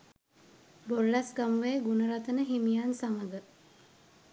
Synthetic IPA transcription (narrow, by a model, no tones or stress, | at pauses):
bolːasɡamuʋeːɡunəɾat̪ənəɦimijansaŋəɡə